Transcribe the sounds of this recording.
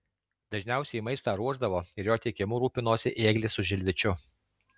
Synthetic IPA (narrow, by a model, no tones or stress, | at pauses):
d̪̥ɐʒʲnʲæˑʊsʲɛimɐɪst̪ɑːɾuɔʒd̪ɐʋoːɪɾjoːt̪ʲɛɪkʲɪmʊɾuːpʲɪnoːsʲɪʔeːɡlʲɪsʊʒʲɪlʲʋʲɪt͡ʃʲʊ